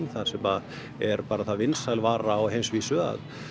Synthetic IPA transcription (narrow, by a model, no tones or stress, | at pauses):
nθḁsɛma | ɛɾpaːɾaθaðvɪnsajlvaːɾaɔɣɦejmsvisœːɣa̰ð